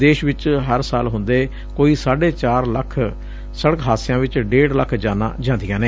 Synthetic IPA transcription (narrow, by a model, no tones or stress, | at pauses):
d̪eːʃʋɪt͡ʃɦəɾsaːlɦʊnd̪eː | koːiːsaːɖeːt͡ʃaːɾləkʰ | səɽəkɦaːsɪjãːʋɪt͡ʃɖeːɽləkʰd͡ʒaːna̰ːd͡ʒãːnd̪ɪjãːneː